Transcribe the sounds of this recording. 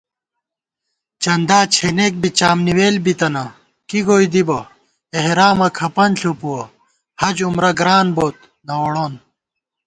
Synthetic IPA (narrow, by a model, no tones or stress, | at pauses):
t͡ɕɐnd̪aːt͡ɕʰenek̚bit͡ɕaːmniweːlbit̪ɐnɐ | kiɡoːid̪ibɐ | eɦɾaːmɐkʰɐpɐnɬupuwɐ | hɐd͡ʑumɾɐɡɾaːnboːt̪̚ | nɐoɽoːn